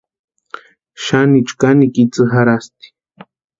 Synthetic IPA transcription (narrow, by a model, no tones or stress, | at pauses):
ʃanit͡ʃkanikit͡sɨɦaɾast̪i̥